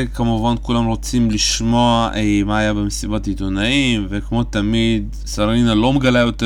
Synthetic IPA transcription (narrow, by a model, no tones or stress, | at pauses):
kamuvankulamʁot͡simliʃmoamaːjabemesibatit̪onaimvekmo̞t̪amid̪ | saɾinalo̞meɡalajo̞t̪e